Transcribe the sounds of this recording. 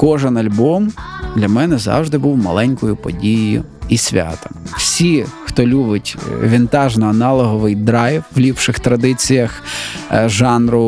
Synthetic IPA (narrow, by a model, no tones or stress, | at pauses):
kɔʒɛnɐlʲbɔmd̪lʲɐmɛnɛzɑ̰wʒd̪ɪbuwmɐ̰lˠɛnʲkɔjʊpɔ̰dʲijijʊ̰ | isʲʋʲɑ̰t̪ɔmwsʲixt̪ɔlʲubɪtʲʋʲɪnt̪ɑʒnɔɐnɑlˠɔɦɔʋɪjd̪ɾɑjwʋlʲipʃɪxt̪ɾɐd̪ɪt͡sʲijɐx | ʒɑnɾʊ